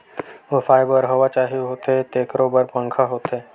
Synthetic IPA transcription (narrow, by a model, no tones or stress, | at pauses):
ʋofaːɪbəɾɦoʋat͡ʃaːɦiɦoːt̪et̪eːkɾobəɾpə̃ŋkʰaɦoːt̪eː